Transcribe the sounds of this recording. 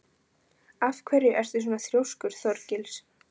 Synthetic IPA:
afkʰvɛɾɪʔɛɾ̥θʏs̬uːnaθɾjowskʏɾ̥θɔɾcɪls

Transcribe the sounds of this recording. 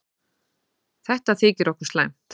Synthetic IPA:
θɛht̪aθɪːcɪɾɔhkʏɾ̥sla̰jm̥t̪

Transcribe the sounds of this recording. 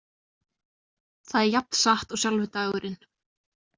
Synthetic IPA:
θaðɛɾjap̚nsaht̪ɔɣsjalvʏt̪aɣʏɾʔɪn

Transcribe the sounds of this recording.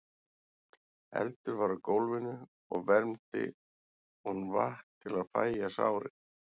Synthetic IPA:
ɛ̰lt̪ʏɾvaɾʏkowlvɪnːʏ | ɔɣvɛɾmt̪ɪ̰ | unvahtt̪ʰːɪlaðfa̰ːjjasa̰ːwɾɪ

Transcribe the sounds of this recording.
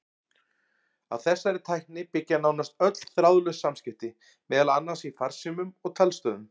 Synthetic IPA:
aðθɛsːaɾɪt̪ʰaːjhknɪpɪcːanaːwnast̪œt̪l̥θɾawðlœsamscɪft̪ɪ | mɛːðalanːasifar̥simʏmɔɣt̪ʰalst̪œːðʏm

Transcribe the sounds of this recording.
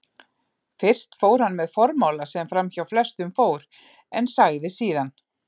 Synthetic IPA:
fɪr̥st̪foːwɾ̥hanːmɛðfɔɾmawlasɛmfɾamçawflɛst̪ʏmfoːwɾ | ɛnsaːjðɪsiːðan

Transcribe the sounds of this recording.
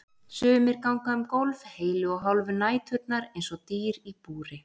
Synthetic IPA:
sʏːmɪɾkawŋkaʏmkowlvheːjlʏɔɦawlvʏnaːjt̪ʰhʏt̪̚naɾejnsɔɣt̪iːɾipuːɾɪ

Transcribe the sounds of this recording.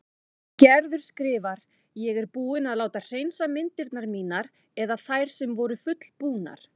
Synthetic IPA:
cɛɾðʏɾ̥skɾɪːvaɾ | jɛɣɛɾpuːɪnaðlaːwt̪ar̥ejnsamɪnt̪ɪɾt̪naɾmiːnaɾ | ɛðaθajɾ̥sɛmvɔɾʏfʏt̪l̥puːna̰ɾ̥

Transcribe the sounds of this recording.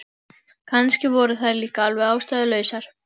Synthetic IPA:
kʰanscɪvɔːɾʏθaðliːkaalvɛðaːwst̪aðʏlœːɥsaɾ̥

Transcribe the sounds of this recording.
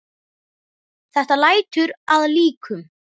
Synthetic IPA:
θɛht̪alaːjt̪ʏɾaðliːkʰʏm

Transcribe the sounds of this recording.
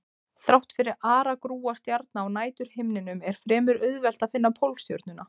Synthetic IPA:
θɾawht̪fɪɾɪɾaːɾakɾuːast̪jaɾt̪̚naːwnaːjt̪ʏɾ̥hɪmnɪnʏmɛɾ̥fɾɛːmʏɾʏðvɛl̥t̪aðfɪnːapʰowlst̪jœ̰ɾt̪nʏna

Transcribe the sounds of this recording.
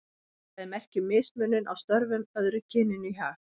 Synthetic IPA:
θaðɛmɛhcɪmɪːsmʏːnːɪnʔa̰wst̪œɾvʏmœðɾʏcʰɪnɪnʏçaːx

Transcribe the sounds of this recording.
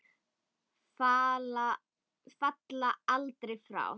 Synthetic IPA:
fala | fat̪laalt̪ɾejfɾa̰w

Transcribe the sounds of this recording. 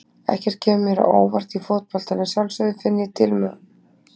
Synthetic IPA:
ɛ̰hcɛɾ̥t̪̚cʰɛːmʏmːɛɾ̰ʔo̰ːwvar̥t̪ifot̪̚pɔl̥t̪anɪsjawlsœðʏfɪnːjɪt̪ʰɪlmœ̰

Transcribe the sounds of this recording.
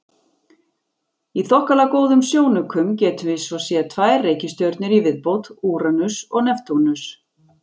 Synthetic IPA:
iθɔhkalakoːwðʏmsjoːwnʏkʰʏmcɛːt̪ʏvɪsvɔsjɛt̪ʰvaːjrreːjcɪst̪jœɾt̪nɪɾivɪðpowt̪uːɾanʏsɔɣnɛft̪ʰonʏs

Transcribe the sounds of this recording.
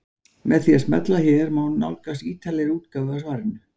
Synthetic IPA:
mɛθiasmɛ̰t̪laçɛɾmawnna̰wlkasiːt̪ʰalɛɾuːt̪kavasvaɾnʏ

